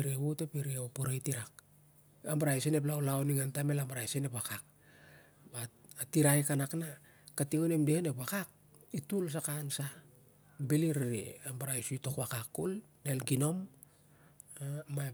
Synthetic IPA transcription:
ɾewotepiɾiopoɾejtiɾak̚ | ambaɾaisenep̬laolaoniŋantame̞lambaɾajsenepakak̚ | batiɾajkanakna | katiŋonemdehenepakak̚ | ituls̬akansa | beliɾiɾḭambaɾaisujto̞kwakakːol | nelɡino̞m | ma

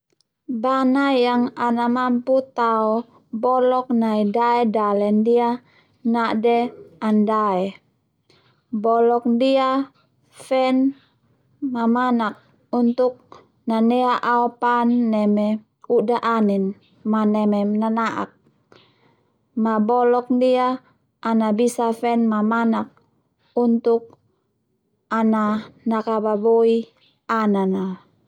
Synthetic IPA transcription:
banajaŋanamamput̪aɔ | bɔlɔk̚naidaɛdalɛndia | naʔdɛandaɛ | bɔlɔk̚dia | fɛn | mamanak̚ | unt̪uk̚ | nanɛaʔaɔpanːɛmɛ | udaʔanɛn | manɛmɛnanaʔa̰k̚ | mabɔlɔk̚ndiaː | nabisafɛnmamanak̚ | unt̪uk̚ | ananakababoi | anana

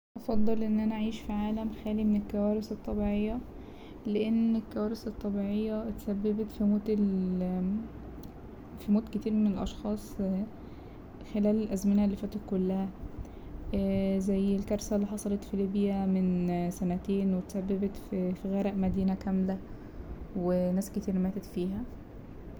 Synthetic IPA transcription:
ʔɑfɑd̪ˤːɑlʔenːʔænæʕiːʃfiʕaːlæmxæːlimenelkːæwæːɾeset̪ˤːɑbiːʕejːæ | leʔenːelkːæwæːɾeset̪ˤːɑbiːʕejːæt̪sæbːæbet̪fimoːt̪el | fimoːt̪ket̪iːɾmenelʔɑʃxɑːsˤ | xelæːlelʔæzmenælːifæːt̪et̪̚kolːæhæ | zæjːelkɑɾˤsælːiːħɑsˤɑlɑt̪filiːbjæmensænæt̪eːnwet̪sæbːebet̪ffiɣæːɾæʔmæd̪iːnækæmlæ | wenæːsket̪iːɾmæːt̪et̪fiːɦæ

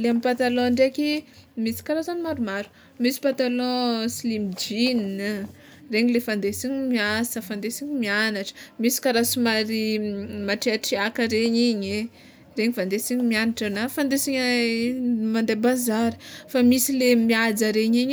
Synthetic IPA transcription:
leamipat̪alɔ̃ɳɖ͡ʐekimisi̥kaɾazanimaɾumaɾu̥ | misi̥pat̪alɔ̃silimid͡ʒin | reɲilefand̪esiɲimiasəfand̪esiɲimianaʈ͡ʂə̥misi̥kaɾasumaɾimaʈ͡ʂeaʈ͡ʂiakəɾeɲiɲe | reɲivand̪esiɲimianaʈ͡ʂanafand̪esiɲ | mand̪ebazaɾə̥famisilemiad͡zəɾeɲiɲ

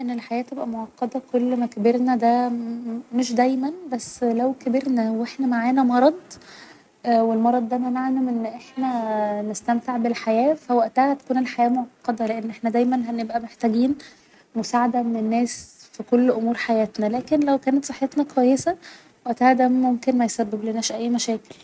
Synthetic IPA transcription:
ʔenːelħajæːt̪ːebʔæmoʕɑqːɑd̪ɑkolːmækæbeɾnæd̪æ | meʃd̪æjmænbæsːlæwkæbeɾnæweħnæmaʕaːnæmɑɾˤɑd̪ˤ | welmɑɾˤɑd̪ˤːæmænaʕnuʔenːʔeħnænest̪æmt̪eʕbelħajæːfæwæʔt̪æhæt̪æ̥kuːnelħajæːmoʕt̪ɑqɑd̪ɑleʔenːʔeħnæd̪æjmænɦænebʔæmeħt̪æɡiːn | mosaʕad̪æmenenːæːsfikolːʔomuːɾħajæːt̪nælæːkenlæwkæːnet̪sˤɨħːet̪nækwæjːesæ | wæʔt̪æhæd̪æmomkenmæjsæbːebleʔenːæːʃʔæjːmæʃæːkel

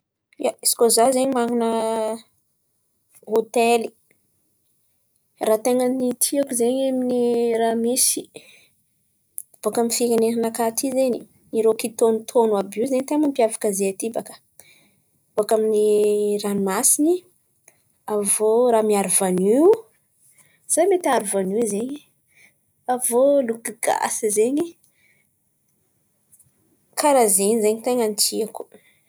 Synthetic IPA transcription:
jaisi̥kozazeɲimaŋunə | ot̪eli̥ | rat̪eŋənit̪ʰiakuzeɲeminiramisi̥ | b̥akamifikʲaneɾinakat̪izeni | niɾokit̪onut̪ʰonuabizeɲit̪emampiavḁkəzeat̪ibakə̥ | b̥oakaminiranumasini | avoɾamiaɾuvani | z̥ajmet̪aɾuvanizeɲi | avolukiɡ̥a̰sizeɲi | kʰaɾazeɲizeɲit̪eŋant͡ʃiaku̥

